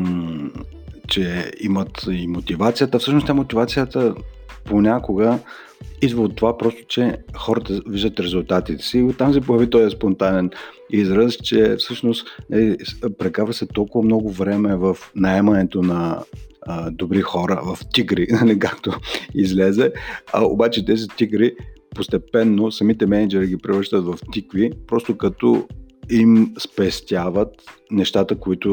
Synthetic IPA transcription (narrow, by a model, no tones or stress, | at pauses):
t͡ʃɛimət̪imot̪ivat̪sijət̪əfsɤʃnost̪ʲamot̪ivat̪sijət̪ə | ponʲakʊɡə | id̪vəot̪ːovapɾɔst̪o̥t͡ʃɛxɔɾət̪əviʒd̪ət̪ɾɛzʊlˠt̪at̪it̪ɛ̥siːot̪ːamsɛpojɛɐvit̪ɔjɛspont̪anɛn | izɾəst͡ʃɛfsɤʃnost̪nəlipɾɛkaɾvəsɛt̪ɔlˠkʊvɐmnɔɡʊvɾɛmɛvɐfnɐɛmɐnɛt̪onɐ | d̪obɾixɔɾəvɐft̪iɡɾinɐlikakt̪oizlɛzɛɐ̰o̰bat͡ʃɛt̪ɛzit̪ʲiɡɾipost̪ɛpɛnːosɐmit̪ɛmɛnɛd͡ʒɛɾiɡipɾɛvəɾʃt̪ət̪vɐft̪ikvipɾɔst̪okɐt̪ɔimspɛst̪ʲjavət̪nɛʃt̪at̪əkoit̪ʊ